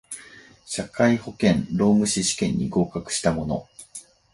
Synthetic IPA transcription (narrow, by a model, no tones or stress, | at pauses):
ɕakaiho̞kẽ̞nɾo̞ːmɯ̟ɕiɕi̥kẽ̞ɲ̟ːḭɡo̞ːkakɯ̟̥ɕi̥t̪amo̞no̞̰